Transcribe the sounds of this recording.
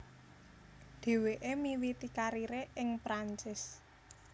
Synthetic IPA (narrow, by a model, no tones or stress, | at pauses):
ɖ̪̥e̤weʔemiwit̪ikaɾiɾeʔɪŋpɾaɲt͡ʃɪs